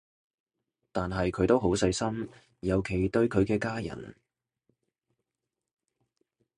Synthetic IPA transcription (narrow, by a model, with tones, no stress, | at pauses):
t̪aː˨nɦɐ˨jkʰɵ˨˧ɥt̪o˥wɦo˨˥wsɐ˧jsɐ˥m | jɐ˨˧wkʰe˨˩jt̪ɵ˧ɥkʰɵ˨˧ɥkɛː˧kaː˥jɐ̰˨˩n